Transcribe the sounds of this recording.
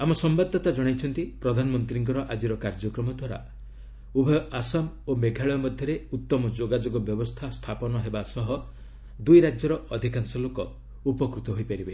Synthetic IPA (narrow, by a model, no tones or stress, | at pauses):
amɔsɔmbad̪ʱːɔt̪ad͡ʒɔɽ̃ajt͡ʃʰɔnt̪ipɾɔd̪ʱanɔmɔnt̪ɾiŋkɔɾɔʔad͡ʒiɾɔkaɾd͡ʒɔkɾɔmɔd̪ʱwaɾa̰ | ubʱɔasam | obeɡʱaɭɔjɔmɔd̪ʱjɔɾeut̪ːɔmɔd͡ʒoɡad͡ʒoɡɔbjɔbɔst̪ʰast̪ʰapɔnɔɦebasɔɦɔ | d̪ujɾad͡ʒjɔɾɔʔɔd̪ʱikansɔlokɔ | upɔkɾut̪ɔɦojpaɾibe